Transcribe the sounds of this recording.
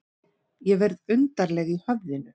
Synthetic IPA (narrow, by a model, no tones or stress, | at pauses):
jɛvɛɾðʏnt̪aɾlɛɣihœvðɪnʏ